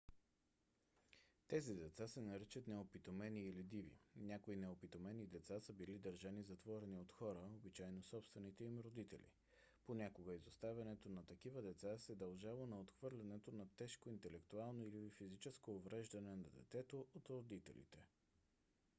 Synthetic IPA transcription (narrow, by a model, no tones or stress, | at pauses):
t̪ɛzid̪ɛt̪sasɛnɐɾit͡ʃət̪nɛopit̪omɛniːlid̪ivḭnʲakoinɛopit̪omɛnid̪ɛt̪sasəbilid̪əɾʒanizɐt̪vɔɾɛniot̪xɔɾəobit͡ʃaɛnosɔpst̪vɛnit̪ɛimɾod̪it̪ɛ̰lʲḭ | ponʲakoɡəizost̪avʲɐnɛt̪onɐt̪ɐkivəd̪ɛt̪sasɛd̪ɐlˠʒalˠonɐot̪xv̥ɤɾlʲɛnɛt̪onɐt̪ɛʃkoint̪ɛlɛkt̪ualˠnoilifizit͡ʃɛskoːvɾɛʒd̪ɐnɛnɐd̪ɛ̰t̪sɛt̪oʔot̪ɾod̪it̪ɛ̰lḭt̪ɛ